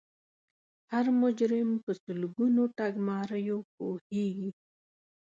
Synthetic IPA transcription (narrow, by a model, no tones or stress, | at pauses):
haɾmʊd͡ʒɾɪmpəsʊlɡunot̪aɡmɑɾəjop̚oheɡi